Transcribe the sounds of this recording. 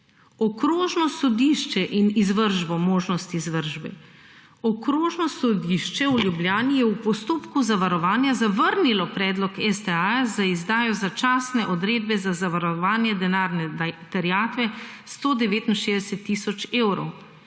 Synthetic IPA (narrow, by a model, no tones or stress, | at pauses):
ɔkɾoːʒnɔsɔd̪iʃt͡ʃɛʔinizʋəɾʒbɔmoːʒnɔst̪iːzʋəɾʒbɛ̰ | ɔkɾoːʒnɔsɔd̪iʃt͡ʃɛuljubljaːnijɛwpɔst̪oːpkuzaʋaɾɔʋaːnjazaʋəɾnilɔpɾɛːd̪lɔkɛst̪ɛajzaizd̪aːjɔzat͡ʃaːsnɛʔɔd̪ɾeːd̪bɛzazaʋaɾɔʋaːnjɛd̪ɛnaːɾnɛt̪ɛɾjaːt̪ʋɛst̪oːd̪ɛʋeːt̪inʃeːzd̪ɛsɛt̪ːisɔt͡ʃeːwɾɔ̰w